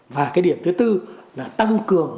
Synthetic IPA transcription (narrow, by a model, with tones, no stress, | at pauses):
vaː˨˩kaː˨˦jɗi˧˩əmt̪ɨ˨˦t̪ɨ˧laː˨˩t̪a˧ŋkɨ˨˩əŋ